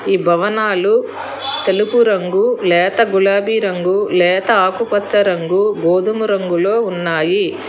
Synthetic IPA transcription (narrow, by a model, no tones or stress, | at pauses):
iːbʱɐʋɐnaːlu | t̪elupuɾɐŋɡulɛːt̪ɐɡulaːbiːɾɐŋɡulɛːt̪ɐaːkupɐt̪sɐɾɐŋɡuɡoːd̪ɐmuɾɐŋɡulo̞ːunːaːji